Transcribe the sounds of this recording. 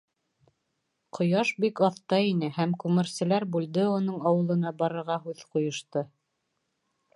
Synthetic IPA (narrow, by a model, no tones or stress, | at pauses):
qʰŏjɑʃbikɑθt̪ɑinɘhæmkʉmɘ̆ɾsɘ̆læɾbʉld̪ɘunɤɴɑwɤ̆lˠɤ̆nɑbɑɾɤ̆ɾʁɑɦʉðqŏjŏʃt̪ɤ